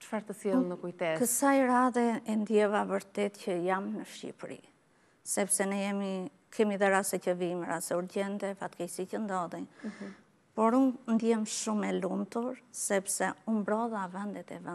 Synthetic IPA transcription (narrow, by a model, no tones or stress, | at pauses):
t͡ʃfaɾt̪əsjɛlˠnəkujt̪ɛkəsajɾaðɛɛnd̪jɛvavəɾt̪ɛt̪cəjamnəʃcḭpɾḭ | sɛpsɛnɛjɛmi | kʰɛmiðɛɾasɛcəvimiɾasɛuɾɟɛnt̪ɛfat̪kɛjsicənd̪ɔðin | pɔɾunnd̪jɛmʃumɛlumt̪uɾsɛpsɛumbɾɔðavɛnd̪ɛt̪ɛ̰vɛ